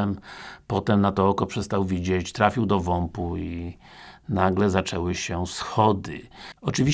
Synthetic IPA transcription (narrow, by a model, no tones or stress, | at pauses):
ɛmpɔt̪ɛmnat̪ɔɔkɔpʂɛst̪awvʲid͡ʑet͡ɕt̪ɾafʲiwd̪ɔvɔmpui | naɡlɛzat͡ʂɛwɘɕɛsxɔd̪ɘ̰ɔt͡ʂɘvʲi